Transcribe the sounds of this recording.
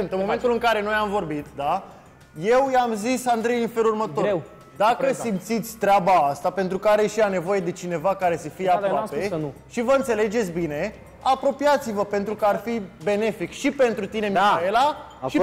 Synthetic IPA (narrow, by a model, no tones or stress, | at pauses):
nt̪ɨnmmo̞me̞nt̪ulɨŋkaɾe̞no̞jamvo̞rbit̪d̪a | je̞wjamzisand̪ɾe̞jinfe̞lurmət̪o̞ | d̪akəsimt̪sit̪sʲt̪ɾeabaast̪ape̞nt̪ɾukəaɾeʃiane̞vo̞je̞d̪e̞t͡ʃine̞vakaɾe̞səfijeapɾwapeʃivəɨnt̪se̞le̞d͡ʒe̞t̪sʲbine̞ | apɾo̞pijat̪sivəpe̞nt̪ɾukəarfibe̞ne̞fikʃipe̞nt̪ɾut̪ine̞maela | ʃi